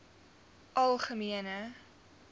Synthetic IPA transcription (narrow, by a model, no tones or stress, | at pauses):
ʔɐlˠχəmiənə